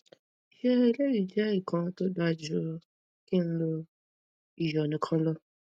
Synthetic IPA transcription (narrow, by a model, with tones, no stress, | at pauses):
i˨he˦e˦le˦wi˨d͡ʒɛ˦i˦˨kʰã˧˦to˦da˧d͡ʒu˦ | ki˦n̩˦lo˧ | i˨jɔ˨nĩ˨˦kʰã˧˦lɔ˧